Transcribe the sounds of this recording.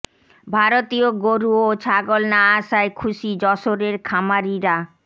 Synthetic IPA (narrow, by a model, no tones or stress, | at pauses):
bʱaɾot̪ioɡoɾuot͡ɕʰaɡolnaaʃaekʰuʃid͡ʑɔʃoɾeɾkʰamaɾiɾa